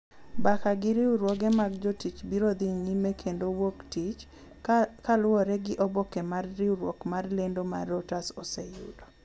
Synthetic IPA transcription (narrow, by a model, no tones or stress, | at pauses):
bakaɡɪɾɪuɾwɔɡɛmaɡd͡ʒɔtit͡ʃbiɾod̪iɲimekʰendowoktit͡ʃ | kalʊɔɾɛɡɪʔɔbɔkɛmarːɪuɾwɔ̰kmarlendoma̰rɔtasɔsɛjṵdo